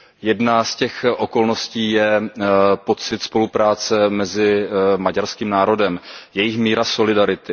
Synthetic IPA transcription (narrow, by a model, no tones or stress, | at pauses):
jɛdnascɛxʔo̞ko̞lno̞sciːjɛ | po̞t͡sɪt̪spo̞lupɾaːt͡sɛmɛzɪmaɟaɾskiːmnaːɾo̞dɛmjɛjɪxmiːɾaso̞lɪdaɾɪt̪ɪ